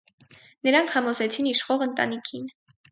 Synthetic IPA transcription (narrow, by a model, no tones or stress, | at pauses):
nəɾɑŋkʰhɑmɔzɛt͡sʰiniʃχɔʁənt̪ɑ̰nikʰin